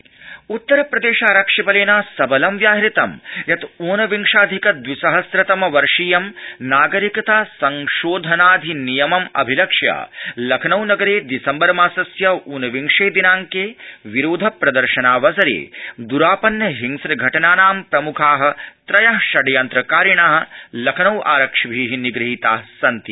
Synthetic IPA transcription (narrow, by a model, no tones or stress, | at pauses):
ut̪ːɐɾɐpɾɐd̪eːʃaːɾɐkʂɐbɐleːnaːsɐbɐlɐmʋjaːɦɾit̪ɐmjɐt̪oːnɐʋiŋʂaːd̪ʱikɐd̪ʋisɐɦɐsɾɐt̪ɐmɐʋɐɾʂiːjɐmnaːɡɐɾikɐt̪aːsɐŋʃoːd̪ʱɐnaːd̪ʱinijɐmɐmɐ̰bʱilɐkʂja̰ːlɐkʰɐnɐwnɐɡɐɾeːd̪isɐmbɐɾmaːsɐsjɐuːnɐʋiŋʂeːd̪inaːŋkeːʋiɾoːd̪ʱɐpɾɐd̪ɐɾʃɐnaːʋɐsɐɾḛːd̪uɾaːpɐnjɐɦiŋsɾɐɡʱɐʈɐnaːnaːmpɾɐmukʰaːɦɐ̆t̪ɾɐjɐɦʃɐɖjɐnt̪ɾɐkaːɾiɳaːɦɐ̆lɐkʰɐnɐwʔa̰ːɾɐkʂɐʋʱiːɦiniɡɾiɦit̪a̰ːsɐnt̪i